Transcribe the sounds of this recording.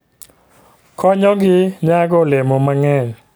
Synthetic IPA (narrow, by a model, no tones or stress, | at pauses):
kʰɔɲɔ̃ɡiɲaɡolɛmomaŋɛ